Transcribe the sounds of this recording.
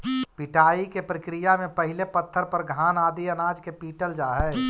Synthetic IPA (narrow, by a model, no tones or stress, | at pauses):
piʈaːikepɾəkɾijamẽpəɦilepət̪ʰːəɾpəɾɡʱaːnaːd̪iənaːd͡ʒkepiːʈəld͡ʒaːɦɛː